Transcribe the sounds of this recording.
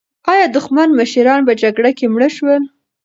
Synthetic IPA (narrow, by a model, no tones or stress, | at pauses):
ɑjɑd̪ʊxmanməʃiɾɑnpəd͡ʒaɡɽakemɽəʃwəl